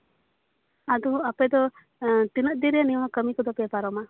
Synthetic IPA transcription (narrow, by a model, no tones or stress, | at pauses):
ad̪uapɛd̪ɔ | t̪inəʔ̚d̪iɾianimakəmikɔd̪ɔpɛpaɾɔma